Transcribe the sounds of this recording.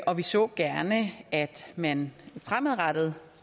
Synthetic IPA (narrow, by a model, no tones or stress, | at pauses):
ʔɒ̽ʋisɔ̰̽ːɡ̥æɐnəʔæd̥mænfʁaməð̩ˠʁɑd̥əð̞̩ˠ